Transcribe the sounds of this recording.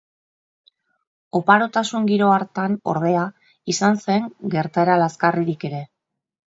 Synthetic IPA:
o̞paɾo̞t̪asuŋɡiɾo̞aɾt̪ano̞̰ɾð̞e̞a | isanse̞ŋɡe̞ɾt̪aeɾalaskariɾike̞ɾe̞

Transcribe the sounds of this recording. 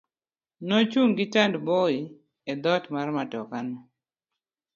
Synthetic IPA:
nɔt͡ʃuŋɡɪtandbɔi | ed̪ɔtmarmatɔkanɔ

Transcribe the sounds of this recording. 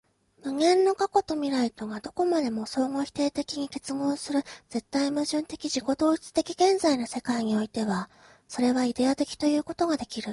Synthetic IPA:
mɯ̟ŋẽ̞nːo̞kako̞t̪o̞mʲiɾait̪o̞ɡad̪o̞ko̞mad̪e̞mo̞so̞ːŋo̞çʲi̥t̪e̞ːt̪e̞kʲiɲ̟ike̞t͡sɨɡõ̞ːsɨɾɯ̟z̥e̞t̪ːaimɯ̟ʑɨ̃nt̪e̞kʲiʑiko̞d̪o̞ːit͡sɨ̥t̪e̞kʲiɡẽ̞nzaino̞se̞kaiɲ̟io̞it̪e̞βa | so̞ɾe̞βaid̪e̞at̪e̞kʲi̥t̪o̞jɯ̟ːko̞t̪o̞ɡad̪e̞kʲiɾɯ̟

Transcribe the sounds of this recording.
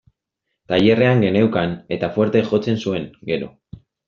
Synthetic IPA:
t̪aje̞re̞aŋɡe̞ne̞wkane̞t̪afwe̞ɾt̪e̞ʝo̞t͡se̞nsue̞ŋɡe̞ɾo̞̰

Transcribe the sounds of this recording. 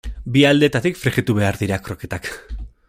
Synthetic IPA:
biald̪e̞t̪at̪ikfɾiɣit̪uβe̞aɾðiɾakɾo̞ke̞t̪ak

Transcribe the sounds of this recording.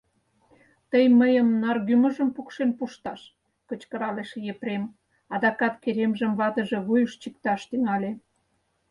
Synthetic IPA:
t̪əjməjəmnɑrɣymə̆ʒəmpukʃenpuʃt̪ɑʃ | kət͡ɕkə̆ɾɑleʃjepɾem | ɑd̪ɑkɑt̪keɾemʒəmβɑt̪ə̆ʒeβujəʃt͡ɕik̚t̪ɑʃt̪yŋɑle

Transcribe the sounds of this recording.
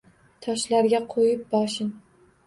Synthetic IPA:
t̪ʰɒʃlaɾɡʲaqʰojɪp̚bɒʃɪn

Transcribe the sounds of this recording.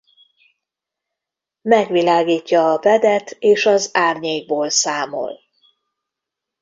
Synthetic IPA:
mɛɡʋilaːɡiːcːɒːvɛd̪ɛt̪eːʃɒzaːrɲeːɡ̚boːlsaːmo̰l

